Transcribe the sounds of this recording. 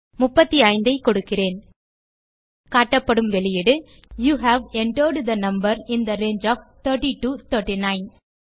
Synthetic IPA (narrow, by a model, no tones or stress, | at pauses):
mʊpːɐt̪ːiaɪnd̪ɐɪkɔɽɯkːɪreːn | kaːʈːɐpːɐɽɯmʋɛɭɪjɪɽɯ | juːɦæʋɛɳʈəːɖd̪ɐnɐmbɐɾɪnd̪ɐɾeːnd͡ʒɔːft̪ʰəːɾʈiʈuːt̪ʰəːɾʈinaɪn